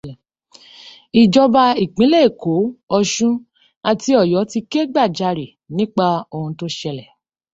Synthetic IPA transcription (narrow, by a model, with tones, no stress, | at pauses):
i˨d͡ʒɔ˧ba˧i˨k͡pĩ˨˦le˦˨ko˨˦ɔ˧ʃũ˦ | a˧ti˧˦ɔ˦˨jɔ˨˦ti˧ke˦ɡ͡ba˦˨d͡ʒa˧˨ɾi˨ | nĩ˦k͡pa˦o˧hũ˧to˦ʃɛ˧lɛ˨